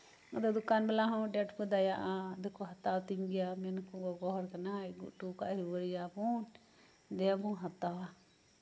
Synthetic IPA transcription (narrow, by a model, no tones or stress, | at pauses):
ɔd̪ɔd̪ukanbɛlaɦɔ̃ɖɛʈpɔd̪ajaʔad̪ɛkɔɦat̪awt̪iŋɡɛjamɛnkɔɡɔɡɔɦɔɾkanaɡuʔʈukaʔɾiwəɽijabu | d̪ɛabɔ̃ɦat̪awa